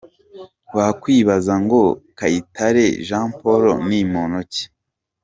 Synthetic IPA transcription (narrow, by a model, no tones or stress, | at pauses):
βakwiːβazaŋɡo̞kaitʰaɾe̞ʒãːmpoɾonimonoce̥